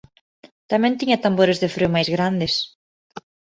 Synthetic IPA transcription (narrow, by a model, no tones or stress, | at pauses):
t̪amɛnt̪iɲat̪ambɔɾʏsðɪfɾʏmajsɣɾanðɪs